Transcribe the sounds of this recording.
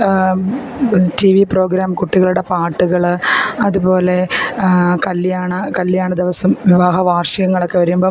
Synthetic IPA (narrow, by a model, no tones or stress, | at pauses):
tiʋipro̞ːɡɾaːmkuʈːiɣɐɭuɽe̞paːʈːuɣɐɭɐðubo̞ːle̞ | kɐlːijaːɳɨkɐlːjaːɳɨd̪iʋɐsɐmʋiʋaːɦɐʋaːrʂɐɣɐŋːɐɭokːe̞ʋɐɾumboː